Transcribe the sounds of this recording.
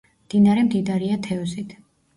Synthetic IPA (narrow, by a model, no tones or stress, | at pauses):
md̪̥inaɾɛmd̪id̪aɾiat̪ʰɛɔsit̪ʰ